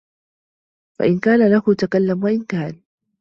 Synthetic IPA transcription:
fa̰ʔɪnkaːnalahʊt̪akalːamwaʔɪnkaːn

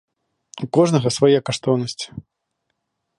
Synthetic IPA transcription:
ukɔʐnɐɣɐsvajɛkaʂt̪ɔwnɐsʲt͡sʲi̥

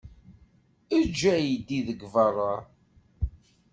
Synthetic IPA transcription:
əd͡ʒːæjəd̪iðəɡvɑrˤːɑ

